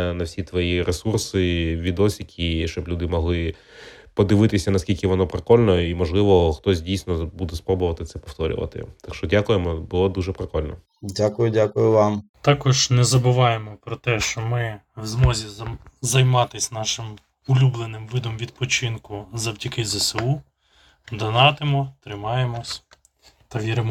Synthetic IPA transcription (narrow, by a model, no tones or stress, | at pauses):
nɐwsʲit̪ʋɔjiɾesursɪʋʲid̪ɔsʲikʲʰiʃt͡ʃɔblʲud̪ɪmɔɦlˠɪ | pɔd̪ɪʋɪt̪ɪsʲɐnɐskʲilʲkɪʋɔnɔpɾekɔlʲnɔimɔʒlˠɪʋɔxt̪ɔsʲdʲijsʲnɔbud̪ɛspɾɔbʊʋɐt̪ɪt̪sɛpɔft̪ɔɾʲʊ̰ʋɐ̰t̪ɪ̰t̪akʃt͡ʃɔdʲakʊjemɔbʊlˠɔd̪uʒɛpɾekɔlʲnɔ | dʲakʊjʊdʲakʊjʊʋɑmt̪ɑkɔʒnɛzɐbʊʋɑjemɔpɾɔt̪ɛʃt͡ʃɔmɪwzmɔzʲizɐjmɑt̪ɪsʲnɑʃɪm | ʊlʲublˠenɪmʋɪd̪ɔmʋʲid̪̚pɔt͡ʃɪnkʊzɐwtʲikɪzɐseu | d̪ɐnɑt̪ɪmɔt̪ɾɪmɑjemɔsʲ | t̪ɐʋʲiɾɪmɔ